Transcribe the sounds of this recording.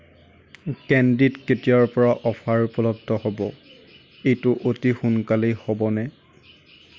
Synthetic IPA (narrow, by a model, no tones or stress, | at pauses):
kɛnditketiaɹpɔɹaʔɔpʰaɹpɔlɔtʰːɔhɔbɔ | ejtʊʔotixunkalejhɔbɔnɛ